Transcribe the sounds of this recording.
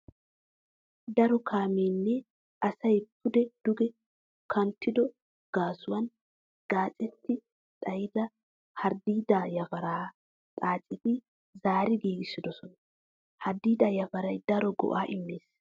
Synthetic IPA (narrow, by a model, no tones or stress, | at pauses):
d̪ɐɾɔkʰaːmeːnːɛ | ɐsɐjp̚ʰʊd̪ɛd̪̥ʊɡɛ | kʰɐnt̪ːɪd̪ɔ | ɡ̥aːsʊwɐn | ɡ̥aːt͡sʼɛt̪ːɪ | t̪ʼɐjɪd̪ɐ | hɐɾd̪iːd̪aːjɐfɐɾaː | tʼaːt͡sʼːɪt̪ɪ | zaːɾɪɡiːɡɪsːɪd̪ɔsɔnɐ | hɐɾd̪iːd̪aːjɐfɐɾɐjd̪ɐɾɔɡɔ̰ʔaːʔɪmːeːs